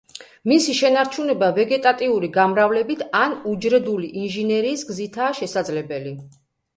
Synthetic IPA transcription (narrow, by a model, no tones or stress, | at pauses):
misiʃɛnaɾt͡ʃʰunɛbavɛɡɛt̪ʼat̪ʼiuɾiɡamɾavlɛbit̪ʰanud͡ʒɾɛd̪uliʔinʒinɛɾiːsɡzit̪ʰaːʃɛsad̪zlɛbɛli